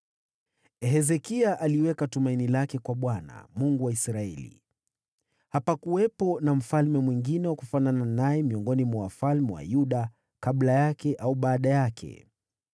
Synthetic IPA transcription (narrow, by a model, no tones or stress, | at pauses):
ɛɦɛzɛkiaʔaliwɛkatumainilakɛkwaɓwana̰muŋɡuwaisɾaɛlḭ | hapakuwɛpɔnam̩falmɛmwiŋɡinɛwakufanananajɛmiɔŋɡɔnimɔwafalmɛwa̰juɗa | kaɓlajakɛʔauɓaːɗajakʰɛ̰